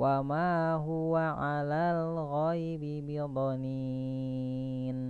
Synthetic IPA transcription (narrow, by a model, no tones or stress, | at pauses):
wamaɦuwaʕalalɣajbibid̪ˤɔni | n